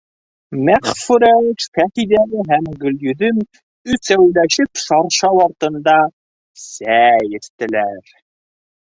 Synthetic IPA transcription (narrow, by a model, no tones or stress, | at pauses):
mæχfuɾæʃfæχid̪æɣɘɦæmɡɵ̆ljɵ̆ðɵm | ʉsæwlæʃɘpʃɑɾʃɑwɑɾt̪ɤ̆nd̪ɑ | sæjɘ̆st̪ɘ̆læɾ